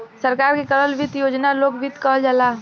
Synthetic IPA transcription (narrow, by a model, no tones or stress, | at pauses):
səɾkaːɾkekələlʋɪt̪joːd͡ʒnaloːɡʋɪt̪kɔɦld͡ʒalaː